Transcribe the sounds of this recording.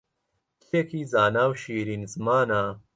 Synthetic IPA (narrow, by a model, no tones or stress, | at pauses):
t̪ekʰiːzaːnaːwʃiːɾiːnzmaːnaː